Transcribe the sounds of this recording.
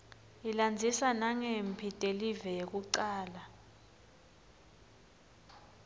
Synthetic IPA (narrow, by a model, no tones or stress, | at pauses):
iland͡zʱisanaŋempʰitʼelivɛjek̬uǀaːla